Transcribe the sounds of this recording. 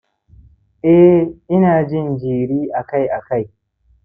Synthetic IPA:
ʔɛ˦ʔɪ˦naː˨d͡ʒɪ˦nd͡ʒiː˨ɽiː˦ʔa˨ka˦˨jʔa˨ka˦˨j

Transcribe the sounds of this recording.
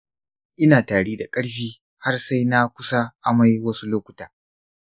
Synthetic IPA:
ʔɪ˦naː˨taː˨ɽeː˦da˨kʼɐ˦ɽɸiː˦ | ha˦rsa˦jna˦kʷʊ˦sa˦ʔa˨ma˦jwɐ˦su˦loː˦kʷʊ̥˨taː˨

